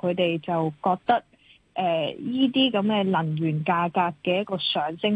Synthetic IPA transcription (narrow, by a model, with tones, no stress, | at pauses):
kʰɵ˨˧t̪e˨jt͡sɐ˨wkɔː˧k̚t̪ɐ˥k̚ | ʔɛː˨˩jiː˥t̪̬iː˥kɐ˨˥mkɛː˧lɐ˨˩ŋɥyː˨˩nkaː˧kaː˧kːɛː˧jt̚kɔː˧sœː˨˥ŋsɪ˥ŋ